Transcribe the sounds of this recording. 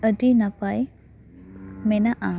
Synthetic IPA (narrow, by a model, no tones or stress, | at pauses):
ədinapaj | mɛnaʔa